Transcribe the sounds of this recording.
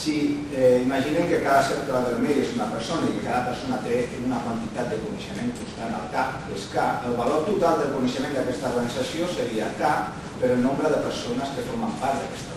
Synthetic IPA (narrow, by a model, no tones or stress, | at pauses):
si | imaʒinɛmkəkaðaseɾklaðelmeʎesunapəɾsonaikekaðapəɾsonat̪eunakwant̪it̪at̪̚d̪əkunəʃəmẽŋkunst̪ana̰lˠkap | eskaəlˠβaloɾt̪ut̪alˠd̪əlˠkunəʃəmẽnd̪akɛst̪aoɾɣanizasjosəɾia̰ka | pəɾəlnõmbɾəðəpəɾsonəskəfoɾmampaɾt̪d̪a̰kɛst̪